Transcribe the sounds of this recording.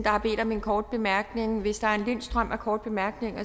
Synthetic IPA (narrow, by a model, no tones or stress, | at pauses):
d̥ɑ̈hɑ̈b̥e̝̰ːd̥ɒ̽me̝nkʰɒːd̥̚b̥e̝mæɐɡ̥ne̝ŋʋe̝sd̥ɑ̈æɐe̝nlen̰sd̥ʁɶm̰ækʰɒːd̥̚b̥e̝mæɐɡ̥ne̝ŋɒ